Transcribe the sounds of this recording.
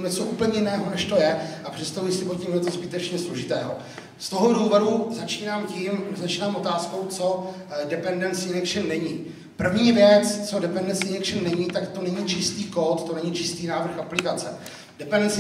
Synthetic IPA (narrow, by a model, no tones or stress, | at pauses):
ɲɛt͡soʔuːpəɲɛjɪnɛːɦo̞nɛʃt̪o̞jɛʔapr̝̥ɛt̪st̪avujɪsɪpocʲimɦlɛt̪ozbɪt̪ɛt͡ʃɲɛslo̞ʒɪt̪ɛːɦo̞ | st̪o̞ɦoduːvoɾuzat͡ʃiːnaːmcimzat͡ʃiːnaːmʔo̞t̪aːsko̞wt͡so̞dɛpɛndɛnt̪sɪnɛkʃɪnːɛɲiː | pr̩vɲiːvjɛt͡st͡so̞dɛpɛndɛnt͡sɪnɛkʃɪnːɛɲit̪akt̪o̞nɛɲit͡ʃɪst̪iːko̞t̪t̪o̞nɛɲit͡ʃɪst̪iːnaːvr̩xaplɪkat͡sɛ̰ | dɛpɛndɛnt͡s